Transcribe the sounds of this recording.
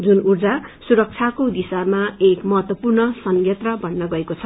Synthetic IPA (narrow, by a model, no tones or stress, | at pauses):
d͡zunurd͡zasuɾʌk̚t͡sʰakod̪isamaekmʌɦʌt̪wʌpurnʌsʌŋjet̪rʌbʱʌnːʌɡʌekot͡sʰʌ